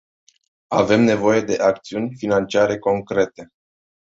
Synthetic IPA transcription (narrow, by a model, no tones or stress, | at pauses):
ave̞mne̞vo̞je̞d̪e̞ʔakt̪siunʲfinant͡ʃiaɾe̞ko̞ŋkɾe̞t̪e̞